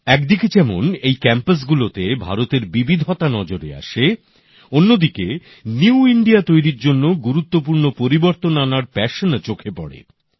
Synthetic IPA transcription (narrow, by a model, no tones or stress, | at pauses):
ɛkd̪iket͡ɕɛmo̰nejkɛmpas̬ɡulot̪ebʱa̰ɾot̪eɾbibid̪ʱot̪anɔd͡ʑoɾḛa̰ʃe | onːod̪ike | niuiɳɖiat̪ojɾiɾd͡ʑonːoɡuɾut̪ːopuɾnopoɾiboɾt̪onanaɾpɛʃnt͡ɕokʰepɔ̰ɽḛ